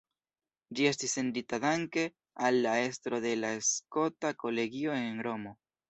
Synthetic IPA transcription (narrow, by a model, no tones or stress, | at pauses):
d͡ʒie̞stisenditad̪aŋke̞ | alːae̞stɾo̞ðe̞laesko̞tako̞le̞ɡio̞enɾo̞mo̞